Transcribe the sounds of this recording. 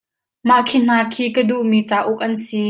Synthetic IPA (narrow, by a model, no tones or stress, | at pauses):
maʔkʰin̥aːkʰiːkəduʔmiːt͡saːʔʊk̚ʔɐnsi